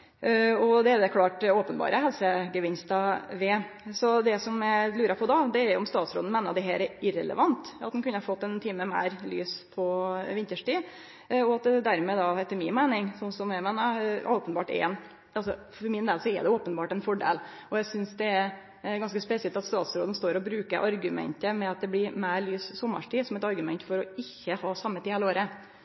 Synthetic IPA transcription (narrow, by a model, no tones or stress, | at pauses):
ɔd̪ɛæɾd̪ɛkʰlɑːʈoːpənbɑ̰ːɾʔəɦɛlsəɡəʋɪnst̪ɑʋɛː | sɔd̪ɛsɔmælʉːɾɑpʰɔd̪ɑːd̪ɛæɾjʊɔmst̪ɑːt̪sɾo̰ːd̪n̩mæːnɑd̪ɛɦæːɾɛɾɪɾɛ̰lə̰ʋɑnt̪ɑt̪̚d̪ɛnkʉnːəhɑɾfɔt̪ːɛnt̪ʰiːməmæ̰ɪɾly̰ːspʰɔʋɪnt̪əʂʈiː | ɔɑt̪̚d̪d̪æɾmɛd̪ɑɛt̪ːəmɪnmæɪnɪŋsɔnsɔmjæɪmæːnəʔoːpənbɑːʈɛ̰ːn | ɑlsɔfɔɾmɪnd̪eːlsɔɛ̰d̪ɛoːpənbɑːʈɛnfɔɖḛːl | ɔjæɪsʏnsd̪ɛæɾ | ɡɑnskəspɛsɪɛlt̪ɑt̪st̪ɑːt̪sɾoːd̪ən̩st̪oːɾɔbɾʉːkəɾʔɑɾɡʉmɛ̰nt̪əmɛɑt̪̚d̪ɛblɪɾmæɪɾlyːssɔmːə̰ʂʈiːsɔmɛt̪ɑɾɡʉmɛnt̪fɔɾɔɪçːəhɑːsɑmːət̪iːhɛːləoːɾə